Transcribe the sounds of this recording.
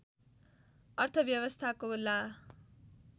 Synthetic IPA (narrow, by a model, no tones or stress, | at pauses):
ʌrt̪ʰʌbjʌbʌst̪ʰakola